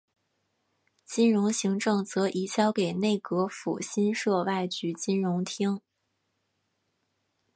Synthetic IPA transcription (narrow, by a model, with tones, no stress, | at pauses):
t͡ɕi˥nɻʊ˧˥ŋɕi˧˥ŋʈ͡ʂɤ˥˩ŋt͡sɤ˧˥ʔi˧˥ɕjɑ˥ʊke˨˩ɪne˥˩ɪkɤ˧˥fṵ˨˩ɕi˥nʂɤ˥˧wa˥˩ɪt͡ɕy˧˥t͡ɕi˥nɻʊ˧˥ŋt̪ʰi˥ŋ